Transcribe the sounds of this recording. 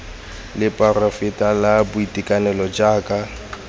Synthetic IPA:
lɪpʼarofɪtʼalabʊitʼikʼanɛlɔd͡ʒaːkʼa

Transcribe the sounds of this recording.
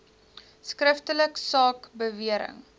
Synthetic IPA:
skrəftələksɑːkbəviəɾə̰ŋ

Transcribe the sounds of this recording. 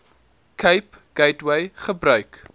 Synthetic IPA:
kʰəjp | ɡ̥ɛjtwejχəbɾœɥk

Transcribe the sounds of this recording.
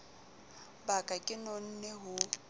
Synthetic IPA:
bakʼakʼɪnon̩nɛɦʊ

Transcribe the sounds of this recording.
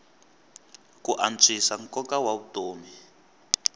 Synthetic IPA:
kuʔant͡sʰʼisaŋkɔkawaβutoːmi

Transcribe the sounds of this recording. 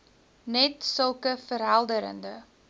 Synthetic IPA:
nɛtsəlˠkəfəɾɦælˠdəɾə̰ndə

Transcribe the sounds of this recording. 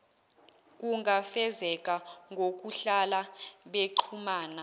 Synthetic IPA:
k̬ʼuŋʱafɛzɛkʼaŋɡʱok̬ʼuɬalaɓeǃʰumaːna

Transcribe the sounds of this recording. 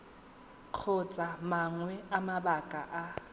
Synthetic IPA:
q͡χʰʊt͡sʼamaŋwɛamabakʼa̰ʔa

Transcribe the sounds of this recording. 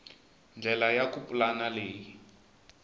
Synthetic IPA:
nd͡ɮʱɛlajakupulanaleːji

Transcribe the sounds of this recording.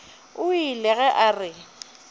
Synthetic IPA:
ʊilɛɣɛʔarɪ

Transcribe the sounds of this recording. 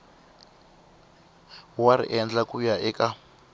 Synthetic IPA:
waɾḭʔɛnd͡ɮakujaʔɛka

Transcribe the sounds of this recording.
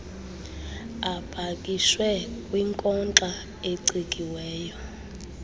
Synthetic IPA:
ab̥ʱakʼiswɛkʼwiŋkʼɔnt͡ɬʼa | eǀikʼiwɛːjɔ

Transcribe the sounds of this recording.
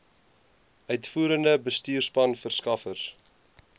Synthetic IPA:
œɥtfuːɾəndəbəstyːrspɐnfərskɐfərs

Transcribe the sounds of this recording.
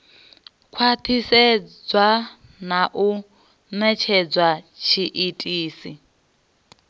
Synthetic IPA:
kʰwatʰisɛd͡zwa | naʔu | nɛt͡ʃʰɛd͡zwat͡ʃʰiʔitʼiːsi

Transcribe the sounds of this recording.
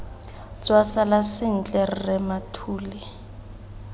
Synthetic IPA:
t͡sʼwasalasɪn̩t͡ɬʼɛr̩rɛmatʰuːlɪ

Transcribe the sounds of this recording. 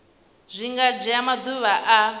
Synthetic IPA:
zʷiŋɡad͡ʒɛamad̪uβaʔa

